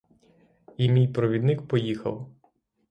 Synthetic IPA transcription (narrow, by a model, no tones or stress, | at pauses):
imʲijpɾɔʋʲid̪nɪkpɔjixɐ̰w